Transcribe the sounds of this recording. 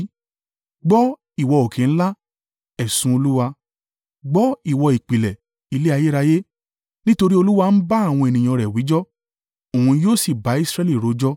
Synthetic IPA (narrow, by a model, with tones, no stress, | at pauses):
ɡ͡bɔ˦ | i˨wɔ˧o˨kʰẽ˨ñ̩˦la˦ | ɛ˦˨sũ˦o˧lu˦wa˧ | ɡ͡bɔ˦i˦˨wɔ˧i˨k͡pi˨lɛ˨ | i˧le˦a˧je˦ɾa˧je˦ | nĩ˦to˧ɾi˦o˧lu˦wa˧n̩˦ba˦a˦˨w̃ɔ̃˧e˨nĩ˨j̃ɔ̃˧ɾɛ˨wi˨˦d͡ʒɔ˦ | o˨hũ˧joː˦˨si˦˨ba˨˦i˦sɾɛ˦li˦˨ɾo˨˦d͡ʒɔ˦